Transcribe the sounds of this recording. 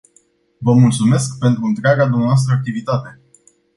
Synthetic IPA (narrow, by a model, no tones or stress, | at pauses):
vəmult̪sume̞skpe̞nt̪ɾuɨnt̪ɾeaɡad̪umneaoas̬t̪ɾəak̚t̪ivit̪at̪e̞